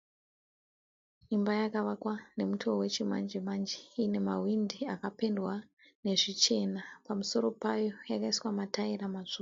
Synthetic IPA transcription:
imbajakaʋakwane̞mutʰowe̞t͡ʃima̰nd͡ʒimand͡ʒeine̞mawindiakape̞ndwa | ne̞ʐit͡ʃe̞napamuso̞ɾo̞pajo̞jakaiswamataiɾamaʐ̥uma

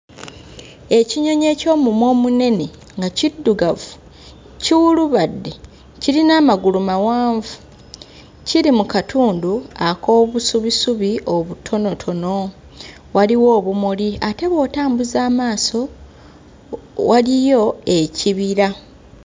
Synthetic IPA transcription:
e̞ciɲo̞ɲe̞ːco̞ːmumwo̞ːmune̞ne̞ | ŋɡacidːuɡavu | ciwuluβadːe | ciɾinaːmaɡulumawaːɱvu̥ | ciɾimukatʰuːnduako̞ːβusuβisuβiʔo̞βutʰo̞no̞tʰo̞no̞ | waliwo̞ːβumuliate̞βo̞ːtaːmbuzaːmaːso̞ | wʔalijo̞e̞ciβiɾa

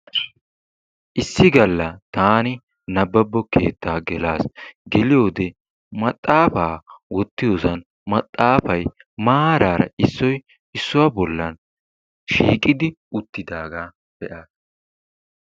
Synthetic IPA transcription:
ʔɪsːɪɡɐlːɐt̪aːnɪ | nɐbːɐbːɔkʰe̞̰ːt̪ːaːɡɛlaːsɡɛlɪjo̞ːd̪ɛ | mɐt̪ʼːaːfaːwɔt̪ːɪjoːsɐn | mɐt̪ʼːaːfɐj | maːɾaːɾɐ̰ɪsːɔj | ɪsːʊwɐbɔlːɐn | ʃiːkʼɪd̪ɪ | ʊt̪ːɪd̪aːɡaː | b̥ɛʔaːs

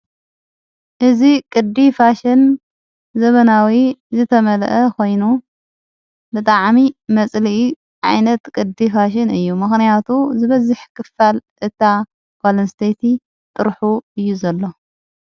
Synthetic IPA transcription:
ʔɨzikʼɨd̪ifaʃɪn | zɐβɐnawizɨt̪ʰɐmɐlʔɐkʰo̞jnu | bɨt̪ʼaʕmimɐt͡sʼli | ʕa̰jnɐt̪kʼɨd̪ifaʃ̬ɪnɨjːumɨxnijat̪ʰuzɨβɐzɨħkʰɨfːalʔɨt̪ʰa | ɡalɐnst̪ʰet̪ʰi | t̪ʼɨɾħuɨjːuzɐlːo̞

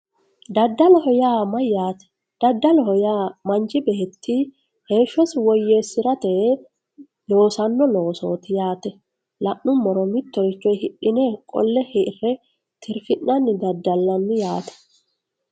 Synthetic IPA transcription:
d̪ɐd̪ːɐlɔhɔjaːmɐjjaːt̪ɛ̥ | d̪̥ɐd̪ːɐlɔhɔjaːmɐnd͡ʒɪbɛːt̪ːi | he̞ːʃːɔsɪwɔjːeːsːɪɾɐt̪ɛ | lo̞ːsɐnːɔlo̞ːso̞ːt̪ɪjaːt̪ɛ | lɐʔnʊmːɔɾɔmɪt̪ːɔɾɪt͡ʃːɔjhɪɗɪnɛkʼɔ̰lːɛhɛrːɛ | t̪ʰɪɾfɪʔːɐnːɪd̪ɐd̪ːɐlːɐnːɪjaːt̪ɛ̥

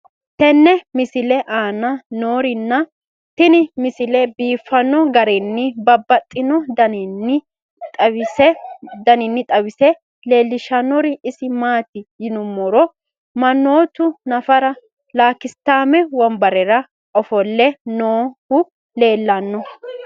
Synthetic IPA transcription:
t̪ɛnːɛmɪsɪlɛʔaːnɐno̞ːɾɪnːɐ | t̪ɪnɪmɪsɪlɛbiːfːɐnːɔɡɐɾɛnːɪbɐbːɐt̪ʼːɪnɔd̪ɐnɪnːɪ | tʼɐ | d̪ɐnɪnːɪt̪ʼɐwɪsɛ | le̞ːlːɪʃɐnːɔɾɪɪsɪmaːt̪ɪjɪnʊmːɔɾɔ | mɐnːoːt̪ʊnɐfɐɾɐ | laːkːɪst̪ːaːmɛwɔmbɐɾɛɾɐ | ɔfɔlːɛnoːhʊ | le̞ːlːɐnːɔ

